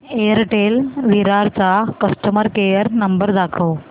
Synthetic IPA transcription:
eəɾʈelʋiɾaɾt͡sakəsʈəməɾkejəɾnəmbəɾd̪akʰəw

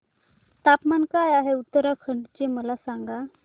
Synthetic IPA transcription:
t̪apmankajaɦeut̪ːəɾakʰəɳɖt͡ɕeməlasaŋɡa

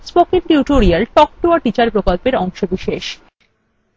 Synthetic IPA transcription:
spokiŋʈiuʈoɾialʈɔk̚ʈoaʈit͡ɕaɾpɾokolpeɾɔŋʃobiʃeʃ

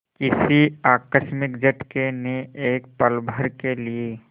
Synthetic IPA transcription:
kɪsiaːkəʃmɪkd͡ʒəʈkeneeːk̚pəlbʱəɾkelie

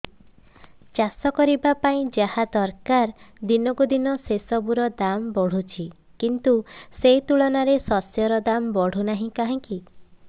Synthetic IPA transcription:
t͡ʃasɔkɔɾibapaĩd͡ʒahad̪ɔɾkaɾd̪inɔkud̪inɔsesɔbuɾɔd̪ambɔɽ̤ut͡ʃʰi | kint̪uset̪uɭɔnaɾesɔsjɔɾɔd̪ambɔɽ̤unaɦĩkaɦĩŋki

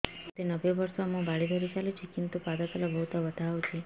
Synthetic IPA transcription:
t̪enəʋjoʋəɾsomũbaɭid̪ʱoɾit͡ʃalut͡ʃʰikint̪upad̪at̪əlɔbəɦut̪ɔʋət̪ʰaɦot͡ʃʰe

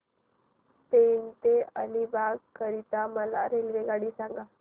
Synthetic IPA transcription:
t̪ent̪eəlibaɡkəɾit̪aməla̰ɾelʋeɡaɽiːsãŋɡa

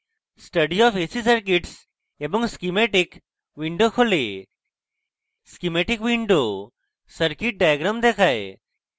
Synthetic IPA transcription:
sʈəɖiɔːfesisəɾkiʈs | ebɔŋskimeːʈɪk | ʋĩɳɖokʰole | skimeːʈɪkʋĩɳɖoː | səɾkiʈ̚ɖaːjəɡɾamd̪eːkʰaːe

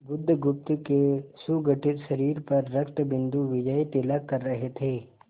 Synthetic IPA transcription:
bʊd̪ʱːɡʊp̚t̪kesuɡəʈɪt̪ʃɐɾiːɾpɐɾːɐkt̪bɪ̃nd̪uʋɪd͡ʒəit̪ɪlakːɐɾːɐɦet̪ʰeː

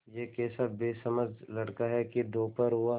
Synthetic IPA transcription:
jeːkeːsabeːsɐməd͡ʒlɐɽkaɦɛkid̪oːpəɾɦʊa

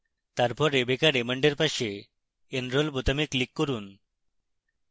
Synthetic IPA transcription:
t̪aɾpʰɔɾebekaɾeməɳɖeɾpaʃeː | nɾolpot̪ameklikːoɾun

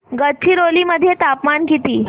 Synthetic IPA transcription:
ɡət̪̚t͡ɕʰiːɾoliːməd̪ʱːjet̪apmankit̪iː

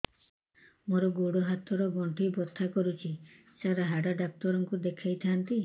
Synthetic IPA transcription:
moɾɔɡoɽoɦat̪ɔɾɔɡɔɳʈʰijbɔt̪ʰːakɔɾut͡ʃʰi | saɾaɦaɖaɖak̚t̪ɔɾɔŋkud̪ekʰajt̪ʰant̪i

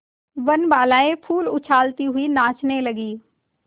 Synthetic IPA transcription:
ʋənbaːlaːẽpʰuːlʊt͡ʃʰaːlt̪iɦʊinaːt͡ʃneləɡiː

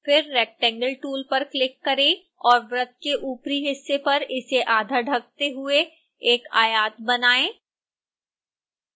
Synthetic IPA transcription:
fɪɾːɛːk̚ʈɛ̃ŋɡəlʈuːlpɐɾklɪkːɐɾẽː | ɔːɾʋɾət̪̚keʔuːpɾiɦɪsːepɐɾɪseʔaːd̪ʱəɾɖʱɐk̚t̪eɦʊe | eːkaːjaːt̪̚bɐnaːẽː

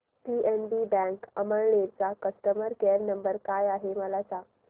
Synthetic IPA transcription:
pienbibɛ̃ŋkəməɭɳeɾt͡sakəst̪əməɾkeɾnəmbəɾkajaɦeməlat͡sa

